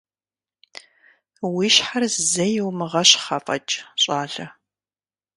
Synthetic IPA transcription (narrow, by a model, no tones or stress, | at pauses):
wiːʃħarzzɐjɪwmɨʁɐɕχɐfʼɐ̰t͡ʃʼɕʼaːɮɐ